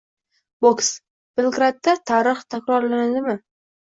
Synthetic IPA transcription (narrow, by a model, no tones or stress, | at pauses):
boks | b̥ɪlˠɡɾat̪ːat̪ʰaɾɨχt̪ʰakʲɾɒɾlanad̪ɪmɪ